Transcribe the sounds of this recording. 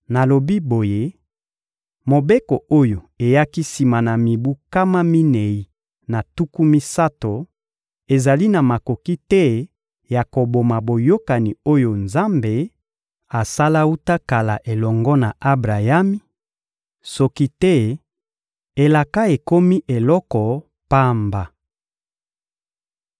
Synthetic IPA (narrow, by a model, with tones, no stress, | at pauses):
na˨lo˨bi˦bo˨je˦ | mo˨be˦ko˨o˦jo˨ | e˨ja˦ki˦si˨ma˨na˨mi˨bu˦ka˦ma˦mi˦ne˨i˦ | na˨tu˦ku˦mi˦sa˦to˨ | e˨za˨li˦na˨ma˨ko˨ki˦tɛ˦ | ja˨ko˨bo˨ma˨bo˨jo˦ka˨ni˨o˦jo˨nza˦mbe˨ | a˨sa˦la˦u˦ta˦ka˨la˨ʔe˨lɔ˨ŋɡɔ˦na˨ʔa˦bʁa˨ja˦mi˦ | sɔ˦ki˦tɛ˦ | e˨la˨ka˦e˨ko˦mi˦ʔe˨lɔ˦kɔ˨ | pa˦mba˨